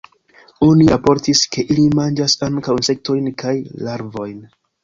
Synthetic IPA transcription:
oniapo̞ɾtiske̞ʔilimand͡ʒasaŋkawnse̞k̚to̞jnkʰajlaɾvo̞jn

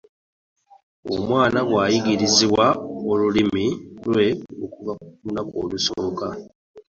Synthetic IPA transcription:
o̰mwaːnaɡwaːjiɡiɾiziwaolulimilwe̞ukuvaunakoːlusoːka

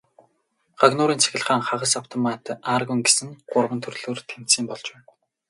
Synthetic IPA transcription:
ɢ̥aɣnʊːɾiːnt͡sʰe̥xʲɪ̆ɮχaːŋχaʁə̆saw̥t̪ʰɔmat̪aːrɣujŋɡesɘ̆ŋɢʊrʁə̆nt̪ʰɵrɮoːrt̪ʰem̥t̪siːmpɔɮt͡ɕpæːn

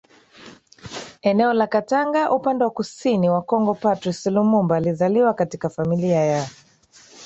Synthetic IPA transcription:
ɛnɛɔlakataŋɡaʔupandɛwakusiniwakɔŋɡɔpatɾisilumumbaːlizaliwakatikafamiliaja

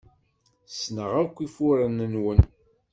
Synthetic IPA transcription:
snəʁækʷːifʊɾənənwən

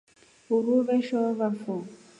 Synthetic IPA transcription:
uɾuβɛʃɔβafɔ

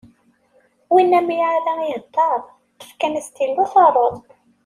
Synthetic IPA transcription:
winːæmijʕaðæiɦət̪ˤːɑɾˤ | t̪ə̥fkænæst̪ilːuθɑrˤəð

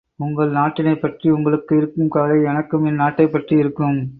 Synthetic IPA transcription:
ʊŋɡɐɭnaːʈːɪnɐɪpːɐʈriʊŋɡɐɭɯkːɪɾɯkːɯmkaːlɐɪɛnɐkːɯmɪnnaːʈːɐɪpːɐʈriɪɾɯkːɯm

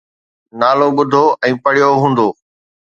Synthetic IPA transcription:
naːloɓʊd̪ʱoʔɛ̃ːpɐɽijoɦũːn̆d̪oː

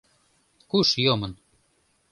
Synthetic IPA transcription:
kuʃjomɤ̆n

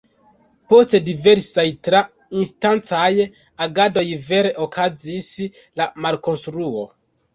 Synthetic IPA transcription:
po̞ste̞dive̞ɾsajtɾa | instant͡saj | aɡado̞jve̞ɾe̞ʔokʰazis | lamalko̞nstɾuo̞̰

